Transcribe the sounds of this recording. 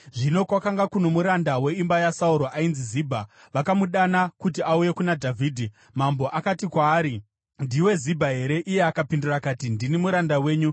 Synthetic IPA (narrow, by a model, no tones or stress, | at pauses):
ʐino̞kwakaŋɡakuno̞muɾandawe̞imbajasauɾoʔainziziːbʱa | ʋakamuɗanakut̬iʔauje̞kunadʱavʱiːdʱi | mambo̞ʔakatikwaːɾi | ndiwe̞zibʱaɦe̞ɾe̞ʔije̞akapindurakaːtindinimuɾandawe̞ːɲu